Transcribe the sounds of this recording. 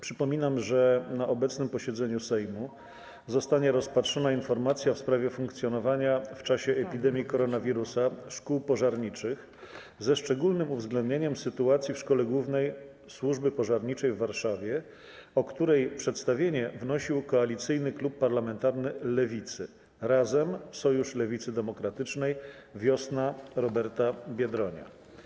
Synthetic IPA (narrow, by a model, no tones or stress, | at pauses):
pʂɘpɔmʲinamʐɛnaʔɔbɛt̪snɘmpɔɕɛd̪zɛɲusɛjmu | zɔst̪aɲɛɾɔspatʂɔnainfɔɾmat̪sʲjafspɾavʲjɛfuŋkt̪sʲjɔnɔvaɲaft͡ʂaɕɛʔːpʲid̪ɛmʲjikɔɾɔnavʲiɾusaʂkuwpɔʐaɾɲit͡ʂɘx | zɛʂt͡ʂɛɡulnɘmuvzɡlɛnd̪̚ɲeɲɛmsɘt̪uat̪sʲjifʂkɔlɛɡwuvnɛj | swuʐbɘpɔʐaɾɲit͡ʂɛjvːaɾʂavʲjɛ | ɔkt̪uɾɛjpʂɛt̪st̪avʲjeɲɛvnɔɕiwkɔalʲit̪sɘjnɘklupːaɾlamɛnt̪aɾnɘlɛvʲit̪sɘ̰ | ɾazɛmsɔjuʂlɛvʲit̪sɘd̪ɛmɔkɾat̪ɘt͡ʂnɛjvʲjɔsnaɾɔbɛɾt̪abʲjɛd̪ɾɔɲa̰